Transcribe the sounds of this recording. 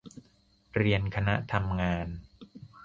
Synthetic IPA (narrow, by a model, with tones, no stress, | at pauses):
ɾi˧ənkʰa˧na˦˥ʔt̪ʰa˧mŋaː˧n